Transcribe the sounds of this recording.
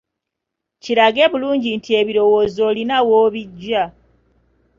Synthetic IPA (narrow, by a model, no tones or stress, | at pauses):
ciɾaɡe̞βuluːɲɟintʰie̞βiɾo̞wo̞ːzo̞ːlinawoːβiɟːa